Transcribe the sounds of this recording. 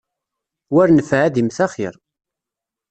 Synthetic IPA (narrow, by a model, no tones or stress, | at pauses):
wæɾnəfʕaðimθæχɪ̰ɾˤ